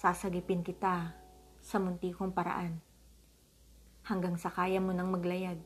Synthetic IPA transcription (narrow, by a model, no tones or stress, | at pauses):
saːsɐɡɪpɪnkɪt̪asɐmʊnt̪iːkoŋpɐɾɐ̰ʔan | hɐŋɡaŋsɐkaːjɐmonɐŋmɐɡlɐjaɡ̚